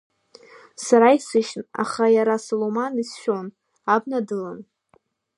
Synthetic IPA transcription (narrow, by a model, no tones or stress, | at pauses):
saɾaisɨʃna̰χajaɾasolomanisʃᶣo̞n | abnadɨlan